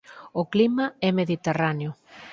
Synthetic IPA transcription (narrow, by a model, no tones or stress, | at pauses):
oklimaɛmeðit̪eraneo